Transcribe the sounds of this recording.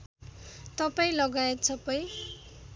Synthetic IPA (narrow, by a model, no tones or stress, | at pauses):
t̪ʌpaĩlʌɡajet̪̚t͡sʰʌpʌj